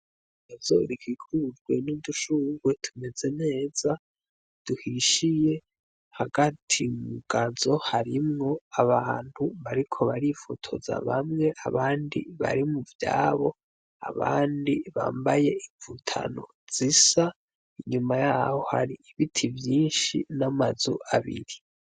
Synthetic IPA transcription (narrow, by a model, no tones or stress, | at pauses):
avzo̰ɾikikʰud͡ʒɡwe̞niduʃuwe̞tʰume̞ze̞ne̞ːz̥a | d̥uhiʃije̞ | haɡatʰimuɡ̥azo̞haɾimŋo̞aβaːnhuβaɾikʰo̞βaɾifotʰo̞za̰βamŋe̞ʔaβaːndḭβa̰ɾimuvja̰ːβo̞ | a̰βa̰ːndiβa̰ːmbaje̞iɱvutʰa̰no̞̰ | z̥isa | iɲumajaːho̞ha̰ɾiiβitʰivjiːnʃinamazuʔaβḭɾi